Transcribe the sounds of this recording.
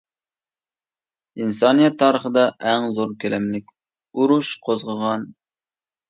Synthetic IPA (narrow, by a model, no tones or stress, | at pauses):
insɑnijɛt̪ʰːɑːɾəχəd̪ɑʔæŋzoɾkʲʰelɛmlɪkʲ | uɾuʃqʰozʁəʁɑn